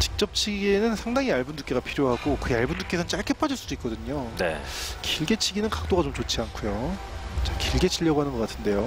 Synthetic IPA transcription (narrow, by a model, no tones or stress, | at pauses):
t͡ɕi̥k̚t͡ɕ͈ʌp̚t͡ɕʰiɡe̞nɯnsʰaŋdaŋiaɭbunduk͈e̞ɡapʰiɾjoɦaɡokɯaɭbunduk͈e̞sʰʌnnt͡ɕ͈aɭkʰepʰad͡ʑiɭs͈uduik͈ʌdɯɲonḛkiɭɡe̞t͡ɕʰiɡinɯnkak̚t͈oɡat͡ɕomt͡ɕot͡ɕʰiankʰujo | t͡ɕakiɭɡe̞t͡ɕʰiʎːʌɡoɦanɯnɡʌk͈atʰɯnde̞jo